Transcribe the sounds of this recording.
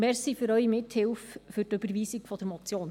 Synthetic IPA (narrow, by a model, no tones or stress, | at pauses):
mɛɾsifʏɾœʏimɪthɪlffʏɾtøbəɾviːsikfɔd̥̪əɾmɔt͡sjoːn